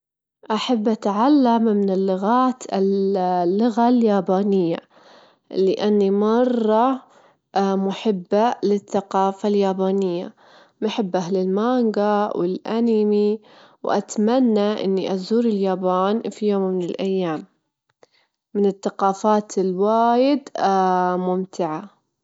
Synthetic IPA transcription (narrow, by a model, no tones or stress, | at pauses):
ʔaħabːʔat̪ʕalːammɪnɪlːʊɣaːt̪ɪ̰llːʊɣaljaːbaːnɪjːa | lɪʔanːimɑrˤːɑ | mʊħɪbːalɪθːaqɑːfaljaːbaːnɪjːa̰ | maħɪbːʔaɦlɪlmaŋɡawʔɪlʔanimi | wʔa̰t̪manːaʔɪ̰nːiʔazuːɾɪljaːbaːnfijoːmːɪnɪlʔajːaːm | ɪnɪθːaqɑːfaːt̪ɪlwaːjɪd̪ | mʊmt̪ʰɪʕa